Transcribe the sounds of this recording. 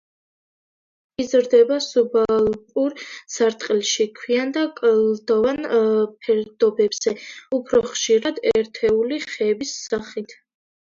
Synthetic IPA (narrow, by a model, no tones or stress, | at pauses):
izɾd̪ɛbasubalpʼuɾsaɾt̪ʼqʼilʃikʰwiand̪akʼld̪̥ɔvanpʰɛɾd̪̥ɔbɛbz̥ɛupʰɾɔχʃiɾad̪ɛ̰ɾt̪ʰɛuliχɛbisːaχit̪ʰ